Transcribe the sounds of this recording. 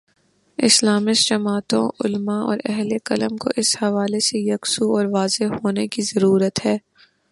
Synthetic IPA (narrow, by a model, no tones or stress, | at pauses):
ɪslaːmɪsd͡ʒɐmaːt̪õʊlmaɔ̰ːɾɛɦlekɐləmko̰ʔɪshɐʋaːlesejɐksuɔːɾʋaːzehoːnekizɐɾuːɾət̪ɦɛː